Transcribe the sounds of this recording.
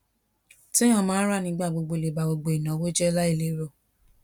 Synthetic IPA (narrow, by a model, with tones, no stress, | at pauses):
ti˦j̃ã˦˨mãː˨˦ɾa˦˨nĩ˨˦ɡ͡ba˦˨ɡ͡bo˧ɡ͡bo˧˨e˨ba˨ɡ͡bo˧ɡ͡bo˧˨i˨nã˨˦wo˦d͡ʒɛ˦˧la˦i˦˨le˨˦ɾɔ˦˨